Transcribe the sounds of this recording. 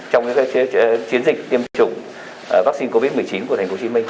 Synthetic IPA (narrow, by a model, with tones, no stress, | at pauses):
t͡ɕɔ˧wŋ͡mkt͡ɕi˨˦ənzï˨˩k̟̚t̪i˧əmt̪ʰt͡ɕʊ˨˧˩ŋ͡m | vaː˦˥k̚si˧nko˧vi˦˥t̚mɨ˨˩ə˩jt͡ɕi˨˦nku˧˩ətʰa̟˨˩fo˨˦t͡ɕi˨˦mï˧ŋ̟